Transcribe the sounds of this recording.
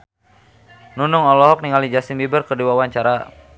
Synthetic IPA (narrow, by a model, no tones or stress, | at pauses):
nunʊŋɔlɔɦɔk̚niŋalid͡ʒasimbibərkərdiwawaɲt͡ʃaɾa